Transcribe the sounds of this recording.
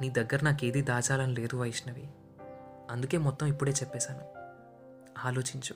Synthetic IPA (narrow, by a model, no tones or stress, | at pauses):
niːd̪ɐɡːɐɾɐnaːke̞ːd̪id̪aːt͡ʃaːlɐnile̞ːd̪uʋɐjiʂnɐʋi | ɐnd̪uke̞ːmɔt̪ːɐmipːuɽe̞ːt͡ʃɛpːɛːsaːnu | aːlo̞ːt͡ʃiɲt͡ʃu̥